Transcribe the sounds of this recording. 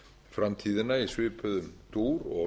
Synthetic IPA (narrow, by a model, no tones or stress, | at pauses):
fɾamt̪ʰiːðɪnaisvɪːpʏðʏmt̪uːɾɔ̰